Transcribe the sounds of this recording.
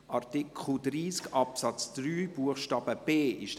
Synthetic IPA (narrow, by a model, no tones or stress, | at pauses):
ʔɑɾtɪkχl̩dɾiːskɑpsɑt͡sd̥ɾyːb̥uəχʃtɑːbəb̥eːʔɪʃ